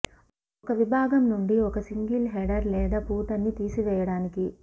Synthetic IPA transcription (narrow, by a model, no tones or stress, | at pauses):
ɔkɐʋibʱaːɡɐmnuɳɖiokɐsiŋɡilɦeɖɐɾlɛːd̪ɐpuːt̪ɐnːit̪iːsiʋɛːjɐɽaːniki